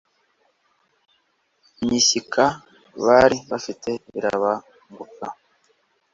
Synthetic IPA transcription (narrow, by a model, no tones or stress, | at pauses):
ɲisikʰa | βaɾiβafite̞ḭɾa̰βa | ŋɡuka